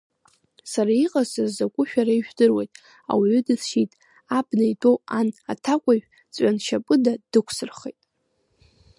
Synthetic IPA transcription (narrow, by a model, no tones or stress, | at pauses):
saɾaiqʼasɨrzakʷʼʊʃᶣaɾaiʒᶣdɨrwejtʼ | a̰wiɥʏdɨsʃitʼ | abnajtʼoanatʰakʷʼaɥᶣ | t͡sʼanʃapʼɨdadɨkʷʰsɨrχejtʼ